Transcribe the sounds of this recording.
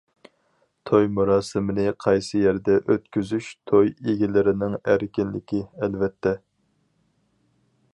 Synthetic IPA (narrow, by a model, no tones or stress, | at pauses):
t̪ʰojmuɾɑːsɨmɪnɪqʰɑjsɨjɛɾd̪ɛʔøt̪kʲyzyʃt̪ʰojeɡʲilɪɾɪnɪŋæɾkʲɪnlɪkʲiɛlvɛt̪ʰːɛ